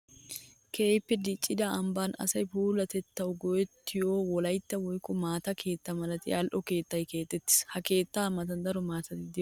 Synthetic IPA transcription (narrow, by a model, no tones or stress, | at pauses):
kʰe̞ːjpːɛd̪ɪt͡ʃʼːɪd̪ɐɐmbaːnɐ̰sɐjpuːlɐt̪ɛt̪ːɐwɡɔjɛt̪ːɪjoːwɔlɐjt̪ːɐwɔjkʼːɔmaːt̪ɐkʰe̞ːt̪ːɐmɐlɐt̪ɪjaːlʔɔke̞ːt̪ːɐjke̞ːt̪ːɛt̪ːɪ̥shɐke̞ːt̪ːaːmɐt̪ɐnd̪ɐɾɔmaːt̪ɐt̪ɪd̪ɪ